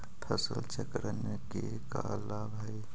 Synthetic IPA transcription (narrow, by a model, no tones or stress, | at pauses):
pʰəsəlt͡ʃəkɾnəke | ka | laːbɦɛj